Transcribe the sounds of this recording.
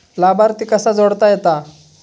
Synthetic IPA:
labaɾt̪ikəsad͡zɔɽt̪ajɛt̪a

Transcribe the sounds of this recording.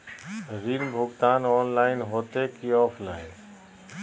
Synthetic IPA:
ɾiːnbʱʊɡt̪aːnɔːnlaːɪnɦoːt̪eːkiːɔːpʰlaːɪn

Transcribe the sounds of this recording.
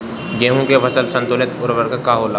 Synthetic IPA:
ɡẽːɦũkeʋɐsəlsɐ̃nt̪ʊlɪt̪ʊɾʋəɾkakaːɦoːlaː

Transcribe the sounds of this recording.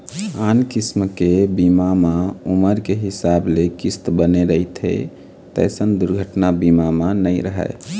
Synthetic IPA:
ankismkebimamauməɾkeɦisablekist̪bəneɾəit̪ʰɦḛ | t̪ə̰sənd̪uɾɡʱəʈnabimamanəjɾəɦə̰

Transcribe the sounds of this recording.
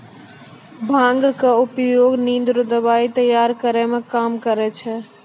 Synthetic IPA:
bʱãŋɡkeʊpjoːɡnĩnd̪ɾud̪əbaːit̪əjaːɾkəɾɛmẽkaːmkəɾɛt͡ʃʰɛ

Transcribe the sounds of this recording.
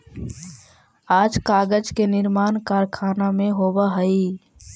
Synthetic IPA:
aːd͡ʒkaːɡəd͡ʒkenɪɾmaːnkaːɾkʰaːnamẽɦoːbaɦəi

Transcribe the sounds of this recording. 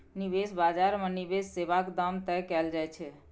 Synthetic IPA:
nibesbad͡ʒaɾmenibesːebakd̪amt̪ɛkɛld͡ʒajt͡ʃʰɛ

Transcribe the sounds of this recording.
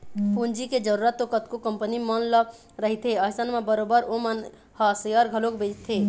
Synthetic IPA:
pund͡ʒiked͡ʒəɾuɾət̪ːokət̪kokəmpənimənlə | ɾəɦit̪ʰeəɦsənmebəɾobəɾomən | həsəjəɾɡʱəlokbed͡ʒt̪ʰe

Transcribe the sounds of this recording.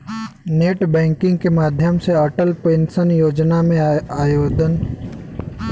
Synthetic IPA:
neːʈbɛ̃ːŋkɪ̃ŋɡkemaːd̪ʱjəmseəʈəlpeːnsənjoːd͡ʒnamẽaːjoːd͡ʒən

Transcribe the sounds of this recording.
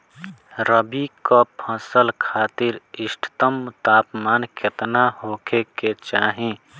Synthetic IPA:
ɾəbikapʰəsəlkʰaːt̪ɪɾɪsʈʰt̪əmt̪aːpmaːnket̪naɦoːkʰeket͡ʃaːɦĩ

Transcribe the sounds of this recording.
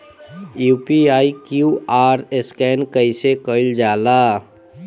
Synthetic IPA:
juːpiaːikjuːaːɾeskɛːnkəisekəld͡ʒaːlaː

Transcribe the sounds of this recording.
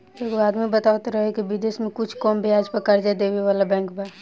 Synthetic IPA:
bəɡʋaːd̪mẽbət̪aːʋət̪ɾəɦɛkibɪd̪eːsmẽkʊt͡ʃʰkɔːmbʱiaːd͡ʒpəkɐɾd͡ʒad̪eːʋeʋaːlabɛ̃ːŋkbʱa

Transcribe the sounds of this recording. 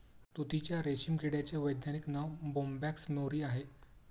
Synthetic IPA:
t̪ot̪it͡ɕjaɾeɕimɡiɽjat͡ɕeʋəjd̪naniknaʋbombæksnoɾiːaɦe

